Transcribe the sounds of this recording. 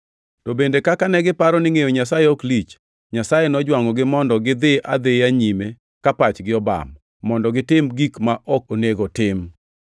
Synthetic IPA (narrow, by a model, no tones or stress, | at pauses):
tobendekakanɛɡɪpaɾɔnɪŋejoɲas̬ajeoklit͡ʃ | ɲasajenɔd͡ʒwaŋɔɡɪmɔndɔɡɪd̪ɪʔa̰d̪ɪaɲime | kapat͡ʃɡɪɔba̰mː | ɔndɔɡɪtɪmɡikmaʔɔk̚oneɡɔtɪm